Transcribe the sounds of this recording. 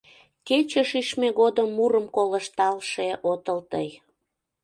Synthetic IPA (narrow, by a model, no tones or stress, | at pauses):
ket͡ɕəʃiʃmeɣod̪əmːuɾəmkolə̆ʃt̪ɑlʃeʔot̪əlt̪əj